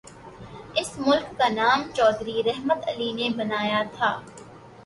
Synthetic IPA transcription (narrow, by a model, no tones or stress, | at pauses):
ɪsmʊlkːanaːmt͡ʃɔːd̪ɾiɾɛɦmət̪ɐlinebɐnaːjat̪ʰaː